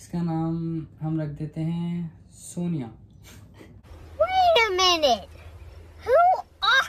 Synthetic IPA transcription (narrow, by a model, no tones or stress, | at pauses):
ɪskanaːmɦɐmɾɐkʰd̪eːt̪eɦɛ̃ | soːnijaː | uiamɛne | hu | a